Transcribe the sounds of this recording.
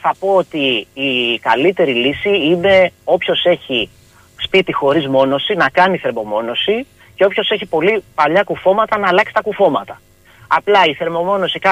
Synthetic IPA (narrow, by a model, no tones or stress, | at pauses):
θɐpo̞ot̪iː | kɐlit̪e̞ɾilisiine̞o̞pço̞se̞çi | spit̪ixo̞ɾizmo̞no̞sinɐkɐniθe̞ɾmo̞mo̞no̞si | ce̞o̞pço̞se̞çipo̞lipɐʎɐkufo̞mɐt̪ɐnɐːlɐksi̥t̪ɐkufo̞mɐt̪ɐ | ɐplɐiθe̞ɾmo̞mo̞no̞sikɐ